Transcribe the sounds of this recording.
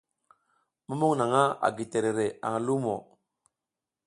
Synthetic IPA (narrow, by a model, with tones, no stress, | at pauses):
mu˦mu˦ŋna˨ŋa˦a̰˨ɡi˨te˨ɾe˨ɾe˨a̰˨ŋa˨lu˦mo˨